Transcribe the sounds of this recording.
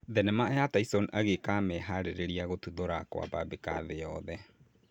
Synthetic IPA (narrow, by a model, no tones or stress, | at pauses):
ðɛnɛmaʔeat̪aisonʔaɣekamɛɦaɾeɾeɾiaɣot̪uðoɾakoa̰ba̰beka̰ðeoðɛ